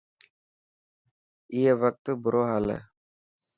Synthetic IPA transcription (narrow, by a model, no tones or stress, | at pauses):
iːeʋək̚t̪bʊɾoːɦalḛː